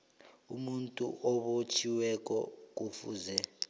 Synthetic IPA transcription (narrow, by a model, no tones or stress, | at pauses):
umuntʼṵʔɔɓot͡ʃʰiwɛk̬ʼɔk̬ufuːzɛ